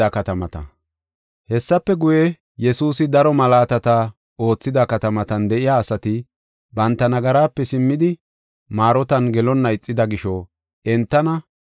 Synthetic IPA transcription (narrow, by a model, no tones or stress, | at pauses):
ɐkɐt̪ɐmɐt̪ɐ̰ | hɛsːɐpːɛɡʊjɛ | jɛsuːsɪd̪ɐɾɔmɐlaːt̪ɐt̪ɐ | o̞ːt͡sːɪd̪ɐkɐt̪ɐmɐt̪ɐnd̪ɛʔɪjaːsɐt̪ɪ | bɐnt̪ːɐnɐɡɐɾaːpːɛsɪmːɪd̪ɪ | maːɾɔt̪ɐnɡɛlɔnːɐɪt͡sʼːɪd̪ɐɡɪʃɔ | ɛnt̪ːɐnɐ